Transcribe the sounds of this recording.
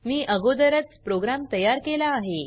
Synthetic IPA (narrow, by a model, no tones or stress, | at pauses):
miːʔəɡod̪əɾət͡spɾoɡɾamt̪əjaɾkelaːɦe